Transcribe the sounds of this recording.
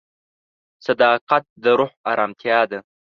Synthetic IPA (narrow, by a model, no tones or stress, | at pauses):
sad̪ɑːqat̪̚d̪əɾʊħaɾʔɑːmt̪ʰjɑːd̪a